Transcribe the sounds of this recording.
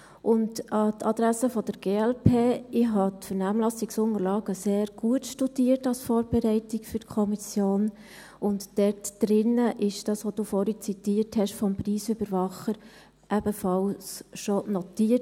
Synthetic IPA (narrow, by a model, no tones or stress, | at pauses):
ʔʊntɑtʰɑd̥̪ɾæsəfɔd̥əɾɡ̥eːɛlpʰeːɪɦɑtfəɾnæːmlɑsɪksʊŋəɾlɑːɡ̥əseːɾɡ̥uətʃtud̥iətɑlsfɔːɾb̥ɛɾɛɪtɪkfʏɾtkʰɔmisjoːn | ʊntːɛtd̥ɾɪnːəʔɪʃd̥ɑsʋod̥uːfɔːɾit͡sit̪iːəɾthɛʃfɔmpriːsybəɾʋɑχəɾ | ʔæb̥əfɑlsʃɔnɔtiə